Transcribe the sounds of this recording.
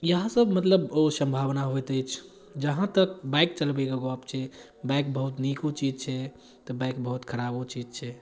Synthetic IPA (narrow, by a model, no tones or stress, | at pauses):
jəɦãsəbmət̪ləbosə̃mbʱaʋnaɦojt̪əjt͡ʃʰ | d͡ʒəɦãt̪ək̚baɪk̚t͡ʃəlbeɡəɡoapt͡ʃʰɛ | bajk̚bəɦut̪nikut͡ʃid͡ʒt͡ʃʰɛ | t̪ɔbajk̚bəɦut̪kʰəɾabut͡ʃid͡ʒt͡ʃʰɛ